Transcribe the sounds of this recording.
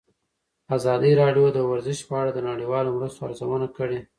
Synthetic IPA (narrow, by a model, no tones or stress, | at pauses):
azɑd̪iɾɑɖjod̪əwaɾzɪʃpəaɽad̪ənaɽiwɑlomɾast̪oaɾzawənakəɽe